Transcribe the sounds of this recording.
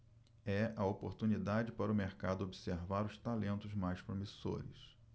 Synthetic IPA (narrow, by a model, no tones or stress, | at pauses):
ɛʔɐopoɾt̪unid̪ad͡ʒɪpaɾʊmeɾkad̪ʊobiseɾvaɾʊst̪alẽnt̪ʊzmajspɾomiso̰ɾɪ̰s